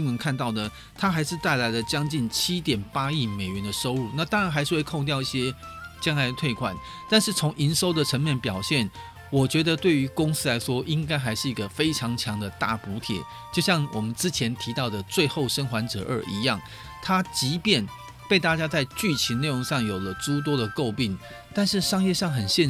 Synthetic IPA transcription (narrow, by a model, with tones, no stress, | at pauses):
i˥ŋwə˧nkʰa˥˧nt̪ɑ˥˩ʊd̪ə˩ | t̪ʰa˥xa˧˥ɪʂɻ̩˥˧t̪a˥˩ɪla˧˥ɪlə˨t͡ɕjɑ˥ŋt͡ɕi˥˩nt͡ɕʰi˥t̪jɛ˨˩npa˥i˥˩me˨˩ɪɥɛ˧˦nd̪ə˨ʂo˥ʊu˥˩na˥˨˩t̪ɑ˥ŋɻa˧˥nxa˧˥ɪʂɻ̩˥˧we˥˧kʰo˥˧ŋt̪jɑ˥˧ʊi˥˩ɕjɛ˥t͡ɕjɑ˥ŋla˧ɪə˧t̪ʰwe˥˩ɪkʰwa̰˨˩n | t̪a˥˧nʂɻ̩˥˩t͡sʰʊ˧˥ŋʔi˧˥nʂo˥ʊd̪ə˨ʈ͡ʂʰə˧˥nmjɛ˥˩npjɑ˨˩ʊɕjɛ˥˩n | wɔ˨˩t͡ɕɥɛ˧˥d̪ə˨˧t̪we˥˩ɪy˧˥kʊ˥ŋsɹ̩˥la˧˥ɪʂwɔ˥ʔi˦˥ŋka˥ɪxa˧˥ɪʂɻ̩˥˩i˧˥ɡə˧fe˥ɪʈ͡ʂʰɑ˧˥ŋt͡ɕʰjɑ˧˥ŋd̪ə˨t̪a̰˥˩pu˧˥t̪ʰjɛ̰˨˩ | t͡ɕjo˥˧ʊɕjɑ˥˩ŋwʔɔ˨˩mə˦nʈ͡ʂɻ̩˥t͡ɕʰjɛ˧˥nt̪ʰi˧˥t̪ɑ˥˩ʊd̪ə˩t͡swe˥˧ɪxo˥˩ʊʂə˥nxwa˧˥nʈ͡ʂɤ̰˨˩ʔə̰˞˥˨˩ʔḭ˧˥jɑ˥˩ŋ | t̪ʰa˥t͡ɕi˧˥pjɛ˥˨n | pe˥˩ɪt̪a˥˩t͡ɕja˥t͡sa˥˧ɪt͡ɕy˥˩t͡ɕʰi˨˥ne˥˩ɪoʊ˧˥ŋʂɑ˥˩ŋjo˨˩ʊlə˦t͡su˥t̪̬wɔ˥ɾə˨ko˥˧ʊpi˥˩ŋ | t̪a˥˧nʂɻ̩˥˩ʂɑ˥ŋjɛ˥˧ʂɑ˥˩ŋxə˨˩nɕjɛ˥˧